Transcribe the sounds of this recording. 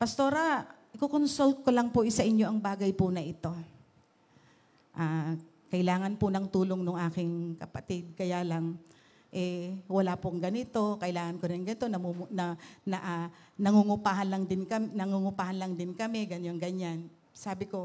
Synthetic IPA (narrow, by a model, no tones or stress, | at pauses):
pɐst̪o̞ɾa | ɪkokonsolt̪̚kolɐŋpoʔɪsɐʔɪɲjo̞ʔɐŋbaːɡɐjpʊnɐʔɪt̪o̞ | ʔaː | kɐʔɪlaːŋɐnpʊnɐŋt̪uːloŋnʊŋʔaːkɪŋkɐpɐt̪ɪd̪̚kɐjaːlɐŋ | ʔɛwɐlapoɐŋɡɐnɪt̪o̞kɐʔɪlaːŋɐnkoɾɪnŋɡɐnɪt̪o̞nɐmunɐnɐʔa | nɐŋuŋʊpaːhɐnlɐŋd̪ɪnkɐmnɐŋuŋʊpaːhɐnlɐŋd̪ɪnkɐmɛɡɐnoŋɡɐɲːan | saːbɪko̞